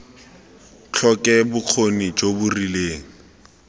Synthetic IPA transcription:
t͡ɬʰɔkɛbʊq͡χʰonit͡ʃobʊrileːŋ̩

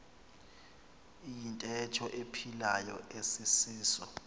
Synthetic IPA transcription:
ijintʼɛtʰɔʔepʰilajɔ̰esisiːsɔ

